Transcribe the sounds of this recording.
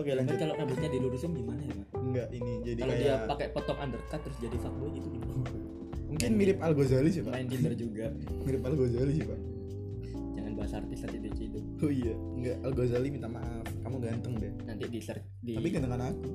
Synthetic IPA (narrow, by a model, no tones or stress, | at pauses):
okaalaɲd͡ʒkalokabut̪̚ɲadiluɾusɪnɡimanajabaŋɡaʔinid͡ʒadialkajiapakɛpot̪ɔŋʔandərt̪at̪əɾʊsd͡ʒadifak̪̚boɡit̪ukin | muŋkɪnmiɾɪpalɡozalis̬ipamaɪnpinərd͡ʒuɡa | miɾɪpalɡozalis̬ipaʔ | d͡ʒaŋanbaɦasa̰rt̪ɪsant̪idet͡ʃid̪u | oija | ŋɡaʔalɡozalimit̪amaʔafkamuɡant̪əŋdɛhnant̪idisər | diapiɡant̪əŋanaku